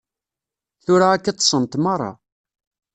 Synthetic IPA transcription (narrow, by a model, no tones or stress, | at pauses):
θʊɾaækːat̪ˤːə̥sˤənt̪mɑrˤːɑ̰